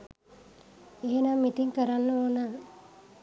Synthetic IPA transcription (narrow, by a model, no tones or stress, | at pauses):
eɦenamːit̪iŋkəɾanːəoːna